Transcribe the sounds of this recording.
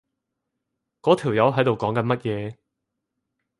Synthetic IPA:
kɔː˨˥t̪ʰi˨˩wjɐ˨˧wɦɐ˨˥jt̪o˨wkɔː˨˥ŋkɐ˨˧nmɐ˥t̚jɛː˨˧

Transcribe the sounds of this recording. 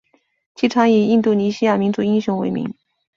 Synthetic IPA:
t͡ɕʰi˧˥˩ʈ͡ʂʰɑ˧˥ŋi˨˩i˥˧nt̪u˥˩ni˧˥ɕi˥ja˥˩mi˧˥nt͡su˧˥i˥ŋɕjʊ˧˥ŋwe˧˥ɪmḭ˧˥ŋ

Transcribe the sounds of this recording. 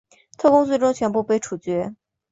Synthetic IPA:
t̪ʰɤ˥˩kʊ˥ŋswe˥˩ʈ͡ʂʊ˥ŋt͡ɕʰɥɛ˧˥npu˥˧pe˥˩ɪʈ͡ʂʰu˨˩t͡ɕɥɛ˧˥

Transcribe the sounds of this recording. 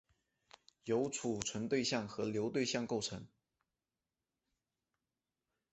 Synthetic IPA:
jo˧˥ʊt͡sʰu˨˩ʈ͡ʂʰwə˧˥nt̪we˥˧ɪɕjɑ˥˩ŋxɤ˧˥ljo˧˥ʊt̪we˥˧ɪɕjɑ˥˧ŋko˥˩ʊʈ͡ʂʰɤ˧˥˦ŋ

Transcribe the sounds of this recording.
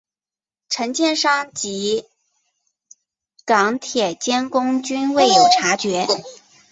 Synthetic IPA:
ʈ͡ʂʰə˧˥ŋt͡ɕjɛ˥˧nʂɑ˥ŋt͡ɕi˧˥ | kɑ˧˥ŋt̪ʰjɛ˨˩t͡ɕjɛ˥nkʊ˥ŋt͡ɕy˥nwe˥˩ɪjo˨˩ʊʈ͡ʂʰa˧˥t͡ɕɥɛ˧˥

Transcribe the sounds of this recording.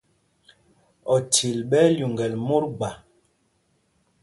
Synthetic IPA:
ɔ˨tʰi˨lɓɛ˦lju˨ŋɡɛ˨lmo˦ɾɡ͡ba˨

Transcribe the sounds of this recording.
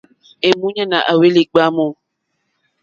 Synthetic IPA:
e˨mu˦ɲa˦˨na˨ʔa˨we˦li˨ɡ͡ba˦mɔ˦˨

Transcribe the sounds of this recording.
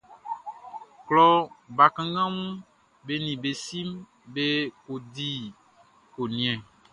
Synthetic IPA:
klɔ˦ba˨kã˦ɡã˦ŋũ˦ | be˦nĩ˨be˨si˦m | be˦ko˨di˦ | ko˨nĩ˨ɛ̃˨

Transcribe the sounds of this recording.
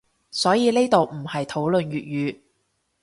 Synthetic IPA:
sɔː˨˥jiː˨˧ne˥t̪o˨wm̩˨˩hɐ˨jt̪ʰo˨˥wlɵ˨njyː˨t̚jyː˨˧

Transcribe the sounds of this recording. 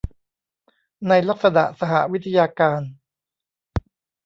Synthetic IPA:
na˧jla˦˥k̚sa˧na̰˨˩ʔsa˧ɦa̰˨˩ʔwi˦˥t̪ʰa˧jaː˧kaː˧n

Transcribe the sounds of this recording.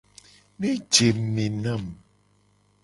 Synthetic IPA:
mi˦d͡ʒe˨mː˨i˨na˦˨m

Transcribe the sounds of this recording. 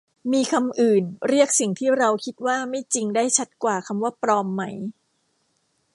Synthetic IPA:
miː˧kʰa˧mʔɯː˨˩nɾi˥˩ək̚si˨˩ŋt̪ʰiː˥˩ɾa˧wkʰi˦˥t̪̚waː˥˩ma˥˩jt͡ɕi˧ŋdaː˥˩jt͡ɕʰa˦˥t̪̚kwaː˨˩kʰa˧mwaː˥˩pɾɔː˧mːa˦˥j

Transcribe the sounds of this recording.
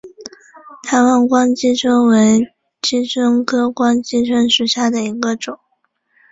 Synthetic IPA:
t̪ʰa˧˥ɪwa˥˧nkwɑ˥ŋt͡ɕi˥t͡sʰə˥nwe˧˥ɪ | t͡ɕi˥t͡sʰə˥nkʰɤ˥kwɑ˥ŋt͡ɕi˥t͡sʰə˥nʂu˨˩ɕja˥˩d̪ə˩i˧˥ɡə˧ʈ͡ʂʊ˨˩˦ŋ

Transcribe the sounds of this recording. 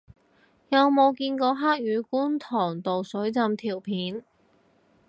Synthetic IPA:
jɐ˨˧wmo˨˧wkiː˧nkɔː˧ɦaː˥k̚jyː˨˧kuː˥nt̪ʰɔː˨˩ŋt̪o˨wsɵ˨˥ɥt͡sɐ˧mt̪ʰiː˨˩wpʰiː˨˥n

